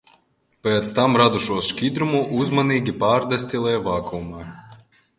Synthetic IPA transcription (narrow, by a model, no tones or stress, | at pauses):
pɛːt̪st̪amɾad̪uʃuɔʃkʲid̪ɾumuʔuzmaniːɡʲipaːɾd̪ɛsʲt̪ʲilˠɛjvaːkumaː